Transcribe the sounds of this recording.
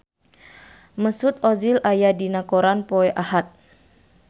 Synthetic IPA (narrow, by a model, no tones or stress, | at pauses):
məsut̪̚ɔzilajadinakoɾanpoɛʔahat̪̚